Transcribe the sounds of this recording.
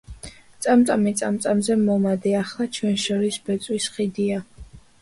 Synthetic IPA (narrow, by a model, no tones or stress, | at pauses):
t̪sʼamt̪ʼamit̪sʼamt̪sʼamzɛmɔmad̪ɛaχlˠat͡ʃʰwɛnʃɔɾisbɛt̪sʼwisχid̪ia